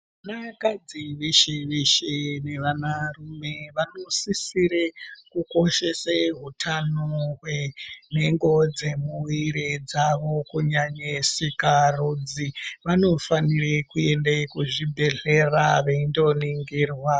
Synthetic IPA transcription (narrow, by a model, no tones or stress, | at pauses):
anakad͡ziʋeʃeʋeʃene̞ʋanarume̞ʋanosisiɾekuko̞ʃe̞seɦutʰanoɦwene̞ŋɡo̞d͡ze̞muwiɾed͡zaʋo̞kuɲaɲesikarod͡ziʋano̞fanirekue̞ndekuʐibʱe̞ɮe̞raʋeindo̞niŋɡiːrwa